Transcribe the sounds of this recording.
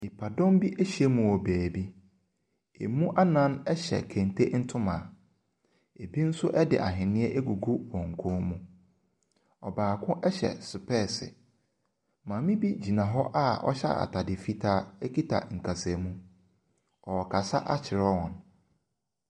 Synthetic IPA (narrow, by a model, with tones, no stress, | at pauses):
mi˨pʰa˨dɔ̃˦m˦bi˦ʔe˦ɕe˦mũ˨ɔ˨bæː˨bi˦ | e˨mũ˦ʔa˦nã˦nɛ˦ɕɛ̰˨kʰɛ̃˨n˨tʰe˦n̩˦tʰʊ̃˦mã˨ | e˨bi˦n̩˦sʊ˦ʔɛ˦dɪ̰˨ʔa̰˨ɦɪ̃˨nɪ̃˦ɛ˦ʔe˦ɡu˨ɡu˦wɔ̃˨ŋ˨kʰɔ̃ː˦mũ˦ | ɔ˨baː˨kʰʊ̃˦ʔɛ˦ɕɛ̰˨sʊ˨pʰɛː˦˨sɪ̰˨ | mãː˨˦mĩ˦bi˦d͡ʑi˨nã˨ɦɔ˦ʔa˦ɔ̰˦ɕɛ̰˦a̰˨tʰa˨dɪ˨fi˦tʰaː˦ɛ˦ki˦tʰa̰˨ŋ̩˨kʰa˨se˨mũ˦ | ɔ˨ɔ˨kʰa˨sa˦ʔa˦t͡ɕʰɪ˨ɾɔ˦wɔ̃˨n